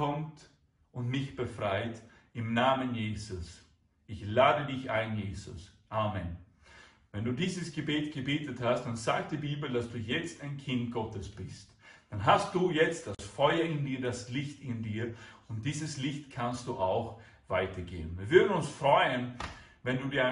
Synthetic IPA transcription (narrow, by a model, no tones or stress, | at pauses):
ɔmt | ʔʊntmɪçb̥əfʁaɪtɪmnaːmənjeːzʊs | ʔɪçlaːdədɪçʔaɪnjeːzʊ̰sʔaːmən | vɛnduːdiːzəsɡ̥əbeːtɡ̥əbeːtəthast̚d̥anzaːk̚t̚d̥iːbiːbl̩dasd̥uːjɛt͡staɪnkʰɪnt̚ɡ̥ɔtəsb̥ɪst | d̥anɦastd̥uːjɛt͡std̥asfɔʏɐɪndiːɐdaslɪçtɪndiːɐʊnt̚d̥iːzəslɪçtkʰanstd̥uːʔaʊx | v̥aɪtʰɐɡḛːənviːɐvʏɐdn̩ʊnsfʁ̥ɔʏənvɛnduːdiːɐa